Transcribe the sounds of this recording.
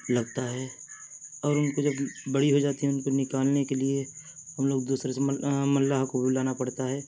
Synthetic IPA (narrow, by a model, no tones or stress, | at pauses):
lɐɡt̪aɦɛː | ɔːɾʊnkod͡ʒɐbːɐɽiɦod͡ʒaːt̪iɦɛ̃ʊnponɪkaːlnekelieɦɐmloːɡ̚d̪uːsɾesemɐlːaɦkobʱilaːnapɐɽt̪aɦɛː